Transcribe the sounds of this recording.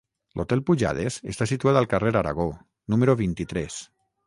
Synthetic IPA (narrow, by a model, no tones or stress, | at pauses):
lʔot̪ɛlpuʒa̰ð̞esest̪asit̪uaðalˠkareɾaɾa̰ɣ̞o | numeɾoβint̪it̪ɾɛs